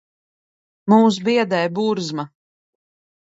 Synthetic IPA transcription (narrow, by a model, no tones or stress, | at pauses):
muːs̬biɛd̪ɛjbuɾzma